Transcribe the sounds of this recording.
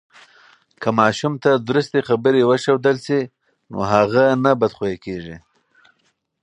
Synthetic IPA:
kamɑʃumt̪ad̪ɾust̪exabəɾewəʃawd̪əlsi | no̰ɦaɣanabad̪xojekeʐi

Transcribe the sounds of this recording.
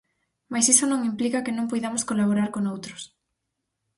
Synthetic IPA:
majsisonõŋimplikakenõŋpojðamoskolaβoɾaɾkonowt̪ɾʊs

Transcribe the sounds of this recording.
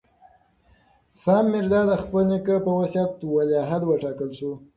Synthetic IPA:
sɑmːɪɾd̪ɑd̪əxpənɪkəpəwasjat̪waljɑɦad̪wəʈɑkəlʃu

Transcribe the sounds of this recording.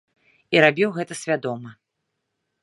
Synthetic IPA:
iɾabʲiwɣɛt̪ɐsʲvʲad̪ɔmɐ

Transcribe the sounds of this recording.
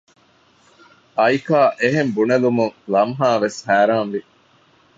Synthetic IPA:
ʔɐjkaːʔeɦembunɐlumuŋlɐmɦaːʋeshæːɾaːnʋi

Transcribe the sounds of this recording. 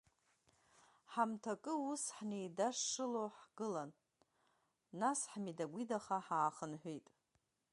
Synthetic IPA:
ħamtʰakʼɨusħnejdaʂːɨloħɡ̥ɨlan | asħmidaɡʷidaχaħaːχənħʷᶣijtʼ

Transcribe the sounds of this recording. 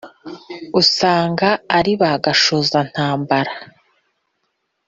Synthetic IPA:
usaːŋɡaːɾiβaɡaʃozan̥haːmbaɾa

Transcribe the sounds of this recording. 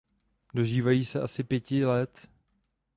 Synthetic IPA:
do̞ʒiːvajiːsɛʔasɪpjɛcɪlɛt̪

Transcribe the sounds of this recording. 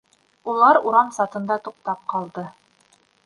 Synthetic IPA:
ulˠɑɾuɾɑmsɑt̪ɤ̆nd̪ɑt̪uq̚t̪ɑp̚qɑlˠd̪ɤ

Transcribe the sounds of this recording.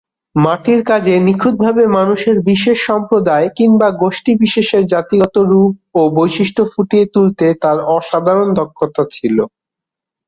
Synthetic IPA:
maʈiɾkad͡ʑenikʰud̪̚bʱabemanuʃeɾbiʃeʃːɔmpɾod̪aekiŋbaɡoʃʈibiʃeʃeɾd͡ʑat̪iɔt̪oɾup̚obojʃiʃʈʰofuʈiet̪ult̪et̪aɾɔʃad̪ʱaɾond̪ʱɔkʰːot̪at͡ɕʰilo

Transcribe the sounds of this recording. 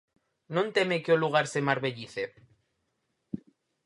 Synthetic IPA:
nõnt̪emekeoluɣ̞aɾsemaɾβeʎiθe

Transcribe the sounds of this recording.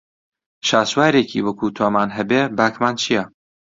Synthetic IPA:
ʃaːswaːɾeːkʰḭːwɐkʰuːt̪ʰoːmaːnɦɐbeːbaːkmaːnt͡ʃʰijɛ

